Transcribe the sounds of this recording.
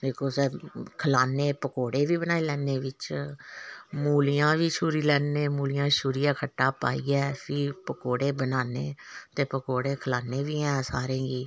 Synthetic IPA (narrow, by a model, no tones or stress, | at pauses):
d̪eːkʰoːsɛːkʰəlaːneːpəkoːɽeːʋiːbənaːiːlɛːneːʋɪt͡ʃ | muːlijãːʋiːʃʰuːɾiːlɛːneːmuːlɪjãːʃʰuːɾijãːkʰəʈːaːpaːiːɛːpʰipəkoːɽeːbənaːneːt̪eːpəkoːɽeːkʰəlaːneːʋiːɛ̃ːsaːɾẽːɡiː